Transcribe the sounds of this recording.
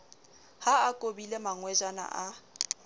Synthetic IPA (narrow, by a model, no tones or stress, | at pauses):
haakʼobilemaŋwɛd͡ʒana̰ʔa